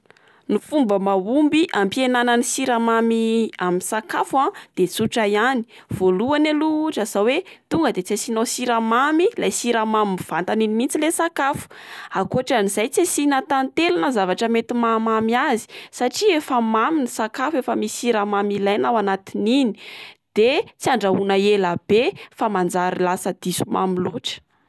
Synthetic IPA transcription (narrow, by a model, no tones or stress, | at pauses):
nufumbəmaumbiʔampienanənisiɾamamiaminsakafuad̪̥et͡suʈ͡ʂajani̥ | v̥oluanaluʈ͡ʂəz̥awet̪uŋɡəd̪et͡sasinosiɾamamilajsiɾamamiv̥ant̪aninimint͡silesakafu̥akoʈ͡ʂanizajt͡sasinət̪ant̪elanəzavaʈ͡ʂəmet̪imamamiazi̥saʈ͡ʂiefəmaminisakafefəmisiɾamamilajnawanat̪ininid̪̥et͡siaɳɖ͡ʐaunəelab̥efamand͡zaɾilasəd̪̥isuma̰miluʈ͡ʂə̥